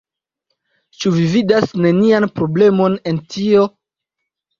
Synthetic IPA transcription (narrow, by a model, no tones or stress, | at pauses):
t͡ʃuvividasne̞nianpɾo̞ble̞mo̞ne̞ntio̞